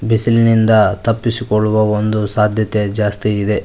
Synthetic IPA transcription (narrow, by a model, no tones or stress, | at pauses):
bisilnind̪ɐt̪ɐpːisikoɭːuʋɐond̪usaːd̪ʱjɐt̪ed͡ʒaːst̪iːd̪e̞